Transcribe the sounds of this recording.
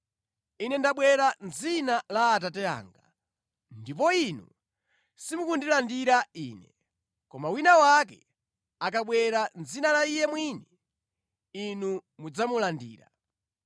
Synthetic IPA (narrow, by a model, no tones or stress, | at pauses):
inɛndaɓwɛɾanzinalaːt̬atɛa̰ːŋɡa | ndipɔinṵ | simukundilandiɾaḭːnɛ̰ | kɔmawinawak̬ɛ̰ | akaɓwɛɾanzinalaijɛmwinɛ | inumud͡zamulandḭːɾa